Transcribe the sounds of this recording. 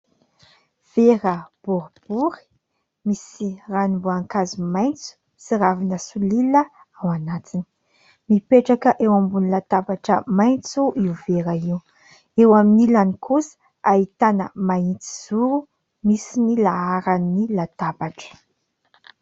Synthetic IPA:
v̥eɾəb̥uɾb̥uɾi̥ | misiranimbuaŋkazimajnt͡su̥ | siɾavinəsulilə | awanat̪ini̥ | mipeʈ͡ʂakəʔewambunilat̪abaʈ͡ʂə̰majnt͡suʔiuveɾaiw | ewaminilanikusə̥ | ait̪anəmaint͡si̥z̥uɾu | misinilaaɾanːilat̪abaʈ͡ʂə̥

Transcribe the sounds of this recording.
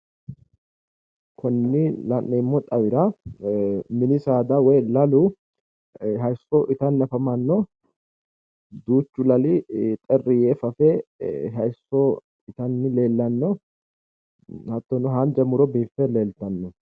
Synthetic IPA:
kʰɔnːɪlɐnːɛmːɔt̪ʼɐwɪɾɐ | mɪnɪsaːd̪ɐwɔjlɐlʊ | ɦɐjsːɔʔɪt̪ɐnːɐfɐmɐnːɔ | d̪uːt͡ʃːʊlɐlɪt̪ʼɛrːɪjeːfɐfɛɦɐjsːɔ | ɪt̪ɐnːɪle̞ːlːɐnːɔ | hɐt̪ːɔnɔɦɐnd͡ʒɐmʊɾɔbiːfɛleːlt̪ɐnːɔ

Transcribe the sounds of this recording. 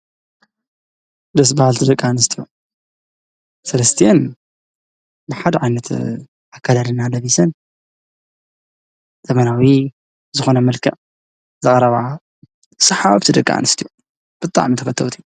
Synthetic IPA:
d̪ɐs̬bahalt̪ʰid̪ɐkʼːanɨst̪ʰiju | sɐlɐst̪ʰijan | bɨħad̪ɐʕajnɐt̪ʰ | ʔakʰːad̪ad̪ɨnːalɐβisɐn | z̥ɐmɐnawi | zɨxo̞nɐmɐlkʰɐ̰ʔ | zɨkʼɐɾɐβaʕa | sɐħaβt̪ʰid̪ɐkʼːa̰nɨst̪ʰiju | b̥ɨt̪ʼa̰ʕmit̪ʰɐfɐt̪ʰːɐwt̪ʰiju

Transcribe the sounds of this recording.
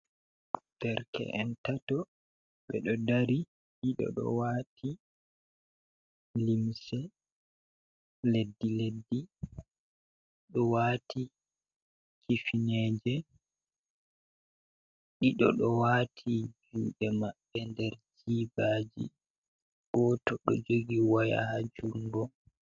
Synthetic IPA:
d̥ɛɾkɛ̰ʔɛntatɔ | ɓɛɗɔdaɾi | ɗiɗɔ̰ɗɔ̰waːtʰi | limsɛ | ledːiledːi | ɗɔwaːti | kʰifinɛːd͡ʒɛ | ɗiɗɔ̰ɗɔwaːtʰibimɓɛmaɓːɛndɛɾd͡ʒiːbaːd͡ʒḭ | ɡ̥ɔtɔɗɔ̰d͡ʒoɡiwaja̰had͡ʒuŋɡɔ

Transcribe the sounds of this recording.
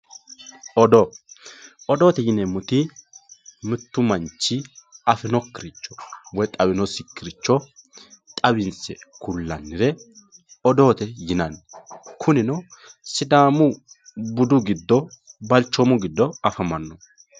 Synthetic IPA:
ʔɔd̪ɔ | ʔɔd̪o̞ːt̪ɛjɪnɛmʊt̪ɪ | mɪt̪ːʊmɐnt͡ʃːɪɐfɛnɔkːɪɾɪt͡ʃːɔ̥wɔjt̪ʼɐwɪnɔsɪkːɪɾɪt͡ʃːɔ | t̪ʼɐwɪnsɛ̰kʊlːɐnːɪɾɛ | ɔd̪o̞ːt̪ɛjɪnɐnkʰʊnɪnɔsɪd̪aːmʊbʊd̪ʊɡɪd̪ːɔbɐlt͡ʃːɔmʊɡɪd̪ːɔɐfɐmɐnːɔ

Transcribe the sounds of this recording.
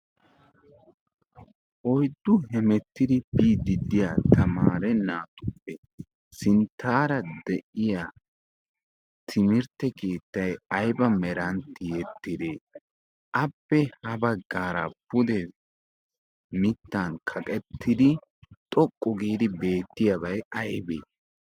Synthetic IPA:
ʔɔjd̪ːʊhɛmɛt̪ːɪd̪ɪbiːd̪ɪd̪ɪjaːt̪ɐmaːɾɛnaːt̪ʊpːɛ | sɪnt̪ːaːɾɐd̪ɛʔɪjaː | t̪ʰɪmɪɾt̪ːɛke̞ːt̪ːɐjɐjbɐmɛɾɐnt̪ːɪjɛt̪ːɪd̪eː | ʔɐpːɛhɐbɐɡːaːɾɐ̰pʊd̪ɛ | mɪt̪ːankʰɐkʼɛt̪ːɪd̪ɪ | t̪ʼɔkʼːɔɡiːd̪ɪbe̞ːt̪ːɪjɐbɐjɐjbḛː

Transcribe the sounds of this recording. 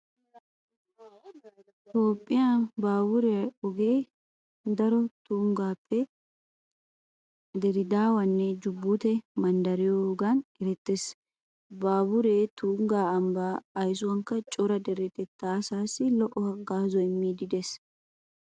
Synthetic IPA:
t̪o̞ːpʼːɪjabaːbʊɾɛɔɡeː | d̪ɐɾɔt̪uːŋɡaːpːɛ | d̪ɛɾɪd̪aːwɐnːɛd͡ʒʊbːʊt̪ɛmɐnd̪ɐɾɪjoɡɐnɛɾɛt̪ːes | baːbʊɾeːt̪uːŋɡaːɐmbaːɐjs̬ʊwɐŋkːɐt͡ʃʼɔɾɐd̪ɛɾɛt̪ʼɛt̪ːaːsaːsːɪlɔʔɔhɐɡaːzɔmːiːd̪ɪd̪ɛs

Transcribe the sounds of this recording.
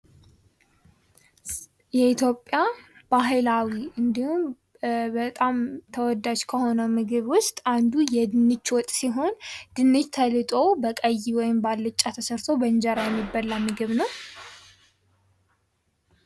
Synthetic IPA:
jɛit̪ʰjo̞pʼjab̥aɦɨlawiʔɨnd̪ihum | bət̪ʼamt̪ʰəwɔd̪ad͡ʒkʰəho̞nəmɨɡɨβwʊst̪ʼand̪ujɛd̪ɨnːɨt͡ʃːwɔt̪ʼsiɦo̞nd̪̥ɨnːɨt͡ʃt̪ʰəlɨt̪ʼo̞bəkʼəjːiwɔjɪmbalːɨt͡ʃʼːat̪ʰəsəɾt̪ʰo̞bəɲd͡ʒəɾajɛmːibːəlːamːɨɡɨβnəw

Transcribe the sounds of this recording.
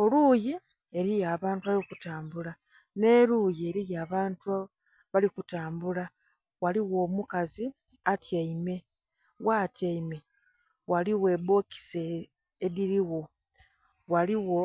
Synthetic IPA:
o̞luji | e̞ɾijaːβaːntuβaliokutaːmbula | ne̞ɾujie̞ɾijaːβaːntua | βalikutaːmbula | waliɣo̞ːmukazi | atjaime̞ | waːtjaime̞ | waliwe̞bo̞ki̥seː | ðiɾiwo̞ | waliwo̞

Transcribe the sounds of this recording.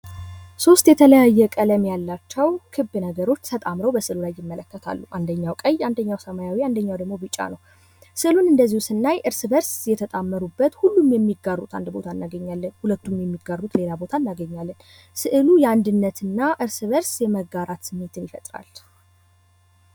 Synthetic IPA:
so̞st̪jɛt̪ʰələjajːɛkʼələmjalːat͡ʃːɛwkʰɨbːɨnəɡəɾo̞t͡ʃːt̪ʰət̪ʼamɾəwbəsɨʔlulajːɪmːələkːət̪ʰa̰lːuʔand̪əɲːawkʼəjand̪əɲːawsəmajawiand̪əɲːawd̪əɡmo̞bɨt͡ʃʼːa̰nəw | sɨʔɨlunɨnd̪əzːihusɨnːajʔɨɾsβəɾsjɛt̪ʰət̪ʼamːəɾubːət̪hulːumjɛmːiɡːarːut̪ʰa̰nd̪bo̞̰t̪ʰanːaɡəɲːalːənhulət̪ːumjɛmːiɡːarːut̪le̞labo̞t̪ʰanːaɡəɲːalːən | sɨʔɨlujɛand̪ɨnːət̪ʰɨnːaʔɨɾsɨβəɾsjɛməɡaɾat̪sɨmːet̪ʰɨnjɪfət̪ʼɾa̰l

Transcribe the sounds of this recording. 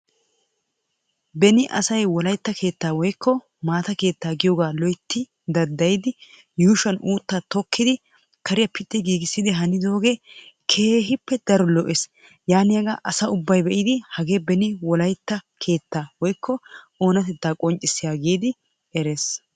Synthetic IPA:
bɛnɪʔɐsɐjwɔlɐjt̪ːɐkʰe̞ːt̪ːaːwɔjkʰːɔ | maːt̪ɐke̞ːt̪ːaːɡɪjoːɡaːlɔjt̪ːɪ | d̪ɐd̪ːɐjd̪ɪ | juːʃɐnʔuːt̪ːat̪ɔkʰːɪd̪ɪ | kɐɾɪjɐpɪt̪ːɪɡiːɡɪsːɪd̪ɪɦɐnɪd̪o̞ːɡekʰe̞ːɦɪpːɛd̪ɐɾɔlɔʔes | jaːnɪjɐɡa̰ʔɐsɐʊbːɐjbɛʔɪd̪ɪhɐɡe̞ːbɛnɪwɔlɐjt̪ːɐkʰe̞ːt̪ːaːwɔjkːɔʔo̞ːnɐt̪ɛt̪ːaːkʼɔnt͡ʃʼːɪsːɪjaːɡiːd̪ɪ | ɛɾes

